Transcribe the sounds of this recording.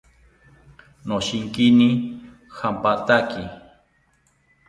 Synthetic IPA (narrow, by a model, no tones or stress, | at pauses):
noʃɪŋkini | xampat̪aki